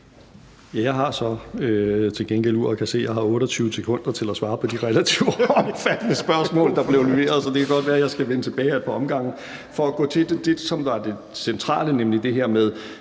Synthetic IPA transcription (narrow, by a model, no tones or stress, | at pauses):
jæjɑ̈ɪɦɑ̈sɒ̽øt͡sʰe̝lɡenɡ̥el̰uɐ̰ɒkʰæse̝̰ːjɑ̈ɪɦɑ̈ɔ̽ːɾ̥ɒt͡sʰyːʊəsekʰɔ̽n̰d̥ɐt͡sʰe̝læsʋɑ̈ːpʰɒ̽d̥iʁɛlæt͡sʰiʊɒmfæd̥nəsb̥ɶɐsmɔ̰̽ːld̥ɑ̈b̥le̝ʊleʋe̝̰ːɐð̞ˠsɒ̽d̥e̝kʰæɡ̥ɒ̽d̥ʋæːɐjɑ̈ɪsɡ̥æʋenət͡sʰe̝b̥ɛːɪæpʰɒ̽ɒ̽mɡ̥ɑ̈ŋ̰n̩ | fɒ̽æɡ̥ɔ̰̽ːt͡sʰe̝d̥ed̥e̝̥sɒ̽mdɑd̥e̝ | sent͡sʰʁɑ̰̈ːlənemlid̥e̝ɦæɐ̰með̞ˠ